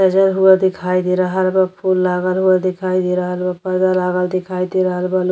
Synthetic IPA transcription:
əd͡ʒəɾɦuəd̪ikʰajd̪iɾəɦəlbəpʰulːaɡəlɦuəd̪ikʰajd̪iɾəɦəlbəpəɾd̪alaɡəld̪ikʰajd̪iɾəɦəlbəl

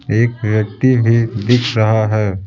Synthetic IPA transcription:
eːkʋjɐk̚t̪ibʱid̪ɪkʰɾɐɦaɦɛː

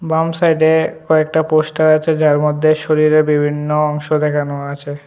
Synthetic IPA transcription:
bamsajɖekɔek̚ʈapoʃʈaɾat͡ɕʰed͡ʑaɾmod̪ʱːeʃoɾiɾeɾbibʱinːoɔŋʃod̪ɛkʰanoaat͡ɕʰe

